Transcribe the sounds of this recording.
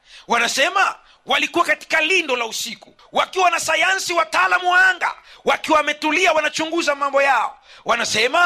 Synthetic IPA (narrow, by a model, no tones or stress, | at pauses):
wanasɛma | walikuwakati̥kalindɔlausiku | wakiwanasajansiwataaːlamuwaaŋɡa̰wakiwamɛtuliawanat͡ʃuŋɡuzamambɔjaɔ̰wanasɛma